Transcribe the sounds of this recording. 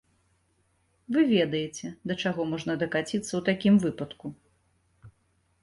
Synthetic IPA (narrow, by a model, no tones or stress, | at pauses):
vɨvʲɛd̪ɐjɛt͡sʲɛd̪ɐt͡ʂaɣɔmɔʐnɐd̪ɐkat͡sʲit̪sːɐwt̪akʲimvɨpɐt̪ku